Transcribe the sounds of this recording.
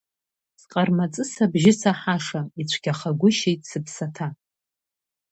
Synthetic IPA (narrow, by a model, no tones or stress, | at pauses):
sqʼarmat͡sʼɨsabʒɪsaħaʂait͡ɕʷʰɡʲaχaɡʷʊʃejtʼsɨpʰsatʰa